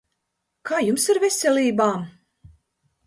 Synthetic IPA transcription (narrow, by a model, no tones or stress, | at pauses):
kʰaːjumsiɾvesʲɛlʲiːbaːm